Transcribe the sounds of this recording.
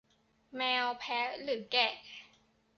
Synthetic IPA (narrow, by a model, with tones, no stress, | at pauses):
mɛː˧wpʰɛ˦˥lɯ˩˦kɛ˨˩